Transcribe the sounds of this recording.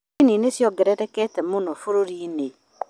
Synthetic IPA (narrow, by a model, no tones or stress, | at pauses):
ininesjɔɡɛɾɛɾɛkɛtɛmonɔfoɾoɾine